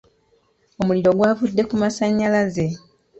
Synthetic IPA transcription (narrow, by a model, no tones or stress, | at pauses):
o̞muliɾo̞ɡwaːvudːe̞kumasaɲːalaze̞